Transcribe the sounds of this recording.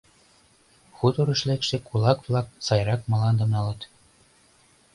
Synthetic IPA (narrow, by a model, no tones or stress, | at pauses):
xut̪oɾɤ̆ʃlekʃĕkulɑkvlˠɑk̚sɑjrɑkmɑlɑnd̪ɤ̆nɑlɤ̆t̪